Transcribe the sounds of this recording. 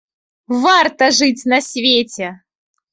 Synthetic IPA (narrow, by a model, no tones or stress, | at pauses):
vart̪əʐɨtʲnɐsʲvʲetʲe